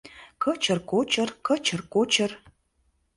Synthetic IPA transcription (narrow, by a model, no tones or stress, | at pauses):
kʰət͡ʃʰɐrkʷot͡ʃʰɐrkʰət͡ʃʰɐrkʷot͡ʃʰɐr